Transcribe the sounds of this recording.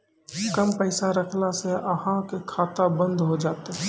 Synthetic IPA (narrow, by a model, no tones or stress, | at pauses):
kəmpəɪsaɾəkʰlaseəɦãkekʰaːt̪abə̃nd̪ʱɦod͡ʒaːt̪eɦ